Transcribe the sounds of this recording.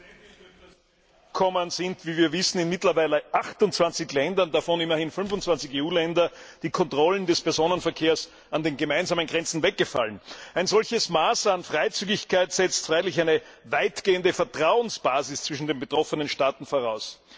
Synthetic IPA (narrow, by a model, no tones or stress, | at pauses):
kʰɔmənz̥ɪntv̥iːviːɐvɪsn̩ɪnmɪtlɐvaɪləʔaxtʊnt͡sv̥ant͡sɪçlɛndɐndafɔnɪmɐhɪnfʏnfʊnt͡sv̥ant͡sɪçeːuːlɛndɐd̥iːkʰɔntʁ̥ɔləndɛspɛɐzoːnənfɛɐkʰeːɐs | andeːnɡəmaɪnzaːmənɡʁɛnt͡sn̩vɛk̚ɡ̥əfa̰lənæɪnzɔlçəsmaːsanfʁ̥aɪt͡syːɡɪçkʰaɪtsɛt͡stfʁ̥aɪlɪçæɪnəvaɪtɡ̥eːəndəfɛɐtʁ̥aʊənsb̥aːzɪst͡sv̥ɪʃn̩deːnbətʁ̥ɔfənənʃtaːtn̩foɐʁaʊs